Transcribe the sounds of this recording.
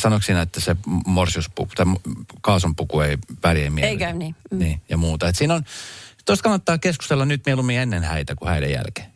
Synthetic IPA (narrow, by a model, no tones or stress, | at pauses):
sɑnoksinæet̪ːæsemorsiuspṵku̥t̪ɑmkɑːsompukueiʋæljemmieeikæniːniːjɑmuːt̪ɑet̪siːnont̪ost̪kɑnːɑt̪ːɑːkeskust̪elːɑnnyt̪mielumienːenhæit̪ækuhæidḛjjæ̰lke̥ː